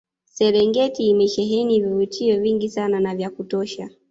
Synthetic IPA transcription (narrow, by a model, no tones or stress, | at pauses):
sɛɾɛŋɡɛtiːmɛʃɛɦɛnivivutʰiɔviŋɡisananavjakutɔʃa